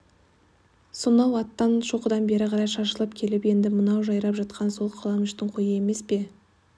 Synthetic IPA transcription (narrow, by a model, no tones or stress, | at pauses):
sonɑwɑt̪ːɑnʃo̞qəd̪ɑnbe̞ɾɪqʰɑɾɑjʃɑɾʃəlˠəpkʲʰe̞lɪpje̞nd̪ɪmənɑwʒɑjɾɑpʒɑt̪̚qʰɑnso̞lˠqʰɑlˠɑnʏʃt̪ɪɴqʰojəe̞me̞spe̞